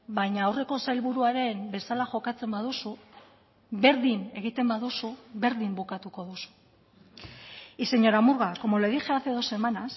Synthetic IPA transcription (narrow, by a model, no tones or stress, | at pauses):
bajɲaːwre̞ko̞sajlβuɾuaɾe̞mbe̞salaʝo̞kat͡se̞mbaðusu | βe̞ɾðine̞ɣ̞it̪e̞mbaðusuβe̞ɾðimbukat̪uko̞ðusu̥ | ise̞ɲo̞ɾamuɾɣako̞mo̞leðixeaθeðo̞se̞manas